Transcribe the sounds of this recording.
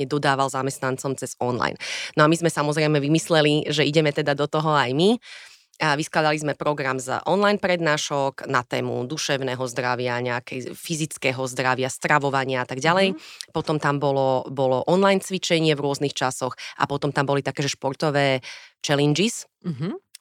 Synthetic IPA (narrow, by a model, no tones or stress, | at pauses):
ɛd̪ɔd̪aːʋalzamɛst̪nant͡sɔmt͡sɛz̥ɔnla̰jnnɔamizmɛsamɔzɾɛɪmɛʋimislɛliʒɛiɟɛmɛt̪ɛd̪ad̪ɔt̪ɔɦɔajmi | ʋisklad̪alizmɛpɾɔɡɾamzʔɔnlajnpɾɛd̪naːʃɔknat̪ɛːmṵd̪uʃɛʊnɛɦɔzd̪ɾaʋɪaɲɛakʰɛjfizit͡skɛːɦɔzd̪ɾaʋɪast̪ɾaʋɔʋaɲɪaat̪aɡɟalɛjpɔt̪ɔmt̪ambɔlɔbɔlɔʔɔnlajnt͡sʋit͡ʃɛɲɪɛvɾʊɔznixt͡ʃasɔxʔa̰pɔt̪ɔmt̪ambɔlit̪akɛːʒɛʃpɔɾt̪ɔʋɛːt͡ʃɛlɛnd͡ʒis̩ | ɦ